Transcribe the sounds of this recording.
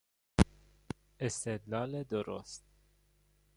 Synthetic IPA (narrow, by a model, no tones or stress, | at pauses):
est̪ed̪nɑːled̪oɾo̰st̪̚